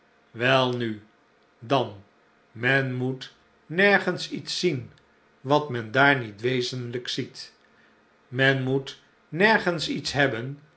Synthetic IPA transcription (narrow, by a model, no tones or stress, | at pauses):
ʋɛlˠny | dɑn | mɛnmut | nɛɹχənsitsin | ʋɑtmɛndaːɹnitʋejzənləksit | mɛnmut | nɛɹχənsitsɦɛbən